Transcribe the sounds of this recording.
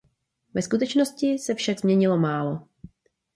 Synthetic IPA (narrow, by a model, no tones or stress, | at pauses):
vɛskut̪ɛt͡ʃno̞scɪsɛfʃaɡzmɲɛɲɪlo̞maːlo̞